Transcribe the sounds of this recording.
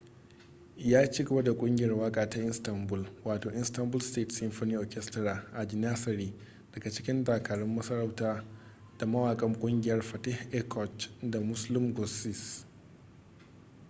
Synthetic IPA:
jaː˦t͡ʃiː˦ɡɐ˨ba˦da˨kʷʼʊ˦ŋɡʲɪ˨jɐ˦rwaː˦kʼaː˨ta˦ʔɪ˦nstɐ˨mbʊ˦lwaː˨toː˨ʔɪ˦nstɐ˦mbʊ˦lsteː˦˨tsɪ˦mɸo˦niː˦ʔɔː˨kʲɛ˦stɾaː˨ʔa˨d͡ʒɪ˨naː˦sɐ˨ɾiː˦ | d̥ɐ˨ɡa˨t͡ʃɪ˦kʲɪ˦ndaː˨kaː˨ɽɛ˦mːɐ˦sɐ˦ɾɐ˦wtaː˦ | d̥a˨mɐ˦waː˨kʼɐ˦ŋkʷʼʊ˦ŋɡʲɪ˨jɐ˦rɸɐ˨tɛ˦hʔɛ˦kʰɔ˨t͡ʃda˨mʊ˦slɪ˦mɡɔ˨sɪ˦˨s

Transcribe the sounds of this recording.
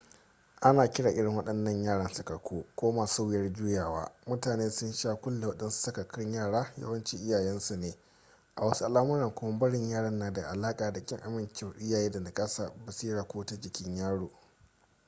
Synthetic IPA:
ʔa˦naː˨kʲɪ˦ɽaː˨ʔɪ˦ɽɪ˨ŋwɐ˦ɗɐ˦nːɐ˦ɲjaː˦ɽɐ˦nsɐ˨kɐ˨kʰʷoː˦kʷoː˦maː˨suː˦wɪ˦jɐ˦rd͡ʒu˦jaː˨wa̰ː˦mʊ˦taː˨neː˦sʊ˦nʃaː˦kʷʊ˦lːe˨wɐ˦ɗɐ˦nsu̥˦sɐ˦kɐ˨kɪ˦ɲjaː˦˨ɽaː˦jɐ̰˦wɐ˦nt͡ʃi˦ʔɪ˦jaː˨jɛ˦nsu˨neː˨ | ʔa˨wɐ˦su˦ʔa˨laː˦mʊ˦ɾɐ˨ŋkʷʊ˦ma˦bɐ˦ɽɪ˨ɲjaː˦˨ɽɐ˦nːaː˨da˨ʔa˨laː˦kʼaː˨da˨kʲʼɪ˦ŋʔa˨mɪ˨nkʲɪ˦˨ʔɪ˦jaː˨jeː˦da˨na˨kʼɐ˦saː˨ba˨si˦ɽaː˨kʷoː˦ta˦d͡ʒɪ˦kʲɪ˦ɲjaː˦ɽoː˨

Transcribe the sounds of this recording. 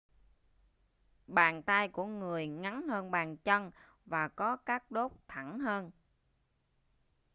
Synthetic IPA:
ɓaː˨˩nt̪a˧jkṵ˧˩əŋɨ˨˩əjŋa˨˦ŋhəː˧nɓaː˨˩nt͡ɕə˧n | vaː˨˩kɔ˨˦kaː˦˥k̚ɗo˦˥k͡p̚t̪ʰa˧˩ŋɦəː˧n

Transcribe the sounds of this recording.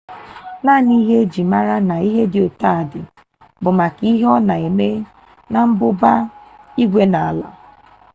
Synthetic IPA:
na˦˨ni˦ɦe˦d͡ʒi˨ma˦ɾa˦na˨i˦ɦe˦dɪ˨o˨ta˦˨dɪ˨ | bʊ˨ma˨ki˦ɦɔ˦na˨e˨me˦ | na˨m̩˦bʊ˦ba˦i˦ɡʷe˦na˨a˨la̰˨

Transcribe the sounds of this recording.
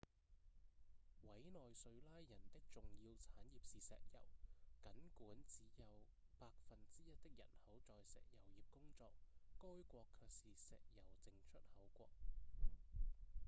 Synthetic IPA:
wɐ˨˥jnɔː˨jsɵ˨˧ɥlaː˥jjɐ˨˩nt̪ɪ˥k̚t͡sʊ˨ŋjiː˧wt͡sʰaː˨˥njiː˨p̚siː˨sɛ̰ː˨k̚jɐ̰˨˩wkɐ˨˥nkuː˨˥nt͡siː˨˥jɐ˨˧w | paː˧k̚fɐ˨nt͡siː˥jɐ˥t̚t̪ɪ˥k̚jɐ̰˨˩nhɐ˨˥wt͡sɔː˨jsɛ̰ː˨k̚jɐ˨˩wjiː˨p̚kʊ˥ŋt͡sɔː˧k̚ːɔː˥jkʷɔː˧kʰːœː˧k̚siː˨sɛ̰ː˨k̚jɐ˨˩wt͡sɪ˨˧ŋt͡ʃʰɵ˥t̚hɐ˨˥wkʷɔ̰ː˧k̚

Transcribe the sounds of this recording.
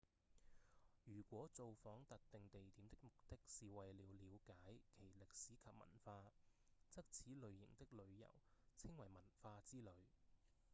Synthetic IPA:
jyː˨˩kʷɔː˨˥t͡so˨wfɔː˨˥ŋt̪ɐ˨k̚t̪ɪ˨ŋt̪e˨jt̪iː˨˥mt̪ɪ˥k̚mʊ˨k̚t̪ɪ˥k̚siː˨wɐ˨jliː˨˧wliː˨˧wkaː˨˥jkʰe˨˩jlɪ˨k̚siː˨˥kʰɐ˨p̚mɐ̰˨˩nfaː˧t͡sɐ˥k̚t͡sʰiː˨˥lɵ˨˧ɥjɪ̰˨˩ŋt̪ɪ˥k̚lɵ˨˧ɥjɐ̰˨˩wt͡sʰɪ˥ŋwɐ˨˩jmɐ˨˩nfaː˧t͡siː˥lɵ˨˧ɥ

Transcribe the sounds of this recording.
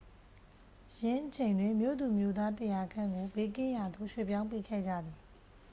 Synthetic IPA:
jɪ̃˦ʔət͡ɕʰẽ˨ndwɪ̃˦˨mjo̰˦˨d̪u˨mjo˦d̪a˦tə˨ja˨ɡʰã˦˨ŋɡo˨be˦k̬ɪ̃˦˨ja˨d̪o̰˦˨ʃwḛ˦˨pjã˦ʊ̃mpe˦˨kʰɛ̰˦˨d͡ʑä̰˦˨d̪ði˨

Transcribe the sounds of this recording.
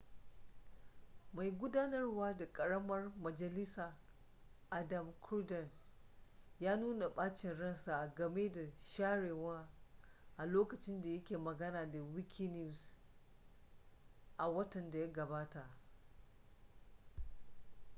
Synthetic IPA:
ma˨jɡʷʊ˦daː˦nɐ˦rwaː˦da˨kʼɐ˨ɽɐ˦mɐ˦rmɐ˨d͡ʒɐ˨lɪ˦saː˨ | ʔa˨dɐ˨mkʰʊ˦rdɐ˨n | jaː˦nuː˦na˨ɓaː˦t͡ʃɪ˨nɽɐ˦nsa˨ɡɐ˨meː˦da˨ʃaː˦ɽeː˨waː˦ | ʔa˨loː˦kɐ˨t͡ʃɪ˦nda˨jɐ˦kʲeː˨mɐ˨ɡɐ˦naː˨da˨wɪ˦kʲʰi˦ni˦u˨s | ʔa˨wɐ˦tɐ˨nda˨ja˦ɡɐ˨baː˦ta˨ʔ

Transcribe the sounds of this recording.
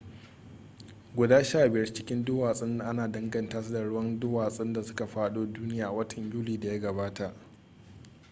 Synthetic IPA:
ɡʷʊ˨daː˦ʃaː˦˨bɪ˨jɐ˦rt͡ʃɪ̥˦kʲɪ˦ndʊ˦waː˨sʼɪ˦n˦ʔa˦naː˨dɐ˦ŋɡɐ˨ntaː˦sa˦da˨ɽʊ˦wɐ˦ndʊ˦waː˨sʼɪ˦nda˨sʊ˦ka˨ɸaː˦ɗoː˦duː˦nɪ˦jaː˨ʔa˨wɐ˦tʰɐ˨ɲjuː˦liː˨da˨ja˦ɡɐ˨baː˦ta˨ʔ

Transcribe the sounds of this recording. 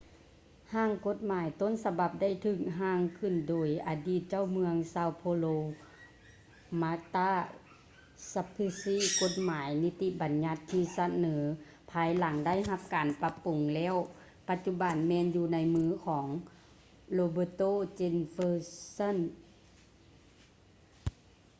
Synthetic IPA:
haː˧˩˨ŋko˧˥t̪̚maː˨˦jt̪o˧˥˨nsa˧ba˧˩p̚da˥˩jt̪ʰɯː˧˩k̚ɦaː˧˩˨ŋkʰɯ˧˩˨ndoː˨˩jʔaː˨˩diː˧˩t̪̚t͡ɕa˥˨wmɯ˧əŋsaː˧wpʰoː˧loː˧ | maː˧˥t̪aː˧˥˩ | sa˧pʰi˧siː˥˨ko˧˥t̪̚maː˨˩˦jni˧˥t̪ːi˧˥ba˨nɲa˧˥t̪ʰːiː˧sa˧nɤː˩˦ | pʰaː˧jla˨˦ŋda˥˩jɦa˧p̚kaː˨npa˧pu˨˩ŋlɛː˧˥˨w | pa˧t̪̚t͡ɕu˧˥ba˨nmɛː˧˨njuː˧na˧jmɯː˧˥kʰɔː˩˦ŋ | loː˧bɤː˧˩t̪oː˥˨t͡ɕe˧nfəː˧sa˥˨n

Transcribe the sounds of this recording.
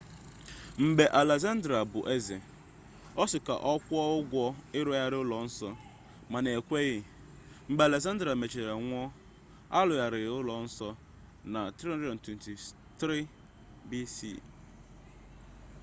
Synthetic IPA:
m̩˨be˨ʔa˨le˨za˦n˦dɾa˨bʊ˨ʔe˦zɪ˨ | ɔ˦sɪ˨ka̰˨ʔɔ˦kʷɔ˦ʊ˦ɡʷɔ˦ɪ˦ɾɔ˦ja˦ɾɪ˦ʊ˦lɔ˨n̩˦sɔ˦ | ma˨ne˨e˨kʷe˦ɣɪ˦ | m̩˨ɡ͡be˨le˨za˦n˦dɾa˨me˨t͡ʃe˨e˨ŋʷ˦ɔ˦ | a˦lʊ˨ja˨ɾɪ˨ʊ˦lɔ˨n̩˦sɔ˦ | na˨tɾi˦dɔ˨n̩˨twe˨n˨ti˨ | tɾi˦ | bi˦sḭ˦˨

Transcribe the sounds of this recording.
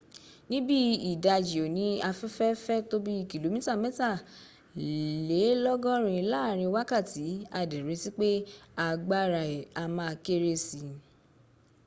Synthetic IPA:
nĩ˦bi˦i˨da˧d͡ʒi˨o˨nĩ˨˦a˧fɛ˦fɛ˦fɛ˦to˦bi˦i˦˨ki˨lo˨˦mĩ˦ta˦˨mɛ̃˦ta˦˨ | le˨˦lɔ˦ɡɔ̃˦ɾ̃ĩ˧laː˦˨ɾ̃ĩ˧wa˦ka˦˨ti˨˦a˧˨de˨ɾe˨˧˦ti˦k͡pe˦a˧ɡ͡ba˦ɾa˧˨i˨a˧mãː˦˧ke˦ɾe˧si˧

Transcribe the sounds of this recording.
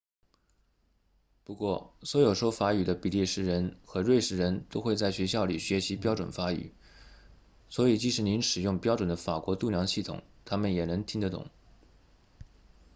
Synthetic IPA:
pu˧˥kwɔ˥˩swɔ˧˥jo˨˩ʊʂɔ˥ʊfa˧˥y˨˩d̪ə˦pi˨˩li˥˩ʂɻ̩˥ɻə˧˥nxɤ˧˥ɻwe˥˧ɪʂɻ̩˥˩ɻə˧˥nt̪o˥ʊxwe˥˧ɪt͡sa˥˩ɪɕɥɛ˧˥ɕjɑ˥˩ʊli˨˩ɕɥɛ˧˥ɕi˧˥pjɑ˥ʊʈ͡ʂwə̰˨˩nfa˧˥y̰˨˩˦ | swɔ˧˥i˨˩t͡ɕi˥˩ʂɻ̩˧˩ni˧˥nʂɻ̩˨˩jʊ˥˩ŋpjɑ˥ʊʈ͡ʂwə˨˩nd̪ə˦fa˨˩kwɔ˧˥t̪u˥˩ljɑ˧˥ŋɕi˥˩t̪ʰʊ̰˨˩˦ŋt̪ʰa˥mə˨njɛ˨˩nə˧˥ŋt̪ʰi˥ŋd̪ə˨t̪ʊ̰˨˩˦ŋ

